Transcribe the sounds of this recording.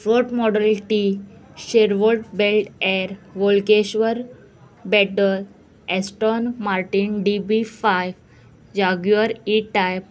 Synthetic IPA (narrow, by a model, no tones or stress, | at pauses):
fɾoʈmɔɖəlʈiɕeɾʋəʈ̚belʈɛɾʋolkeɕʋəɾ | bɛʈəl | ɛsʈɔnmaɾʈinɖibifajʋ | d͡ʑaɡjuəɾiʈajp̚